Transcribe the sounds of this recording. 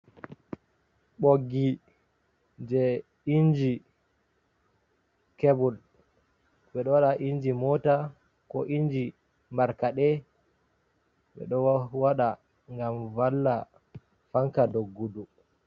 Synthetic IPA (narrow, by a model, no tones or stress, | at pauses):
ɓoɡːi | d͡ʒɛ | ind͡ʒi | kebul | ɓɛɗɔwaɗaʔind͡ʒimɔːta | kɔʔind͡ʒi | mbaɾkaɗɛ | ɓɛ̰ɗɔwaɗa | ŋɡamvalːa | faŋkadoɡːudu